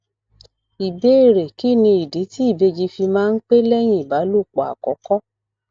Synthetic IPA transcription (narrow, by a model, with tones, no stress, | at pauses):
i˨be˦e˦˨ɾe˨ki˦˨nĩ˧i˨di˨˦ti˦i˦˨be˧d͡ʒi˧fi˧mãː˦n̩˦k͡pe˦lɛ˦j̃ĩ˦˨i˨ba˨˦lu˦˨k͡pɔ˨a̰˨kɔ˨˦kɔ˦